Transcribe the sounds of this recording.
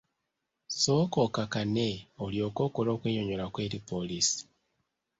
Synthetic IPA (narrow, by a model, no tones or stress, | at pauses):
sokokakaneoljo̞ːko̞ːkolo̞ːkweːjoɲolakwe̞ːɾipolisi̥